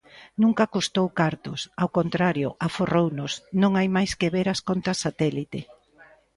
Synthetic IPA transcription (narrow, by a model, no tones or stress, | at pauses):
nũŋkakust̪owkaɾt̪ʊsawkont̪ɾaɾjʊ̰ʔaforownʊsnõŋajmajskeβeɾaskont̪ɾasat̪ɛlit̪ɪ